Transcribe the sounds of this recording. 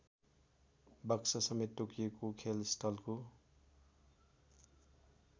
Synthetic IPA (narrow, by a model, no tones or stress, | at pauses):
bʌksʌsʌmet̪ːokijekokʰelsʈʰʌlko